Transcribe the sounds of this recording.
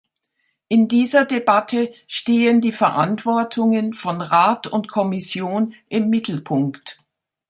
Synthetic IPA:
ʔɪndiːzɐdebatʰəʃteːəndiːfɛɐʔantv̥ɔɐtʰʊŋənfɔnʁaːtʊ̰ntkʰɔmɪsjoːnʔɪmːɪtʰl̩pʰʊŋkt

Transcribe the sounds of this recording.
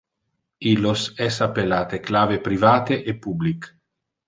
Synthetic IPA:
ilosɛsapːelaːt̪eklaːvepɾivaːt̪eʔepːublik

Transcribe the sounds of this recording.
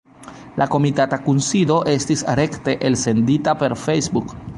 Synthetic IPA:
lako̞mitatakunsido̞ʔe̞stisɾe̞kte̞ʔelse̞nditape̞ɾfejsbuk

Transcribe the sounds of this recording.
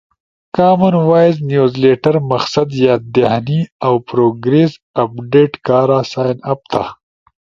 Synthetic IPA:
kaːmɐnwaːjznjuːzleːʈɐɾmɐxsɐd̪jaːd̪ehniawpɾoːɡɾesɐpɖeːʈkaːɾaːsaːjnɐp̚t̪ʰa̰

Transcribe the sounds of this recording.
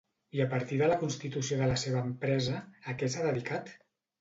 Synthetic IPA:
iəpəɾt̪iðələkunst̪it̪usioðələseβəːmpɾɛzəːkɛsaðəðikat̪

